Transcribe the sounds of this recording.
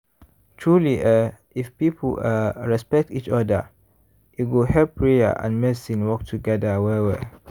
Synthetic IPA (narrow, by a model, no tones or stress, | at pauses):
tʰɹuliʔɛ | ifpipʰə̰əɹɛspɛk̚tit͡ʃɔdə̰ | juɡohɛpɹia̰ʔã̰nmɛsĩnwɔk̚tʰuɡɛdəwɛwɛ